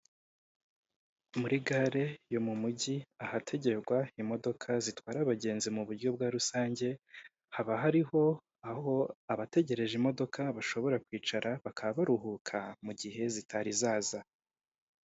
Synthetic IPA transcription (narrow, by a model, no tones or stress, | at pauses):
muɾiɡaːɾe̞jo̞mumuɟiahatʰe̞ɟe̞ɾɡwaimo̞do̞kʰazitwaːɾaβaɟe̞ːnzimuβuɾɟo̞bɡaːɾusaːɲɟe̞ | haβaɦaɾiho̞ | aho̞aβate̞ɟe̞ɾe̞ʒimodo̞kʰaβaʃo̞βo̞ɾakwiːt͡ʃaɾaβakʰaβaβaɾuɦukʰamuɟihe̞zitʰaɾizaːza